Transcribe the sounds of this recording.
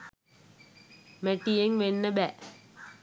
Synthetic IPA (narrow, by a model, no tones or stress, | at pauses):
meʈijeŋʋenːəbæ